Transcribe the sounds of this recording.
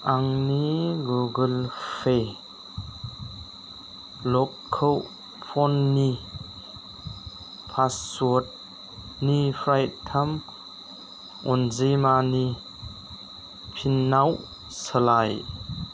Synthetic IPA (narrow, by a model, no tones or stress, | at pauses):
ʔaŋniɡuɡɯlfʰe | lɔkkʰːəw | pʰɔnːi | pʰasːut̚ | nipʰɾajt̪ʰam | ɔnzijmani | pʰinːaw | səlaj